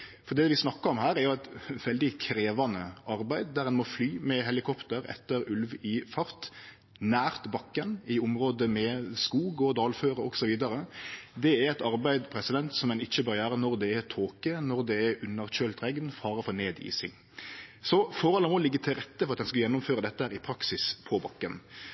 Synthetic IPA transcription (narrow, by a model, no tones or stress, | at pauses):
fɔɾd̪ɛʋɪsnɑkːəɾɔmɦæːɾæɾjʊɛɪt̪ʋɛld̪ɪkʰɾeːʋɑnəʔɑɾbæɪd̪̚d̪æɾɛnmɔflyːmɛɦɛlɪkʰɔpt̪əɾɛ̰t̪ːəɾʉlʋɪfɑɾt̪ | næːʁt̪bɑkːənɪʊmɾoːd̪əmɛskuːɡɔd̪ɑːlføːɾəɔɡsɔʋiːd̪ɑɾəd̪ɛæɾɛt̪ɑɾbæɪd̪pʰɾɛsəd̪ɛnt̪sɔmɛnɪçːəbøːɾjøːɾənɔɾd̪ɛːt̪ʰoːkənɔɾd̪ɛːɾʉnːəɾc͡çøːlt̪ʁɛɡnfɑːɾəfɔɾneːd̪ḭːsɪ̰ŋ | sɔfoːɾɔləmoːlɪɡːət̪ʰɪlɾɛt̪ːəpʰɔʁɑt̪hɛnskɑjɛnːʊmføːɾʁəd̪ɛt̪ːəhæːɾɪpʰɾɑksɪspʰɔbɑkːən